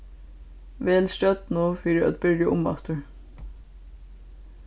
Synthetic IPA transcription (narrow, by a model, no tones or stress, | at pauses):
ʋɛːlstœt̪nuːfiːɾɪa̰t̪̚bɪɹjaʔʊma̰t̪ʊɹ